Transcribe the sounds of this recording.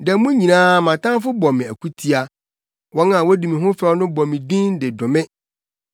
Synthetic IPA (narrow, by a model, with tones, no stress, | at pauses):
dɛ˨mũ˦ɲĩ˨nãː˦˨mã˨tã˦fʊ˦bɔ˨mɪ̃˨æ˨kʰu˦tʰi˦a˨ | wɔ̃˦nã˨wɔ˦di˨mĩ˨ɦʊ̃˦fɛ˦ɔ˦nʊ̃˦bɔ̃˨mɪ̃˨dĩ˦ndɪ˨dʊ̃˨mɪ̃˦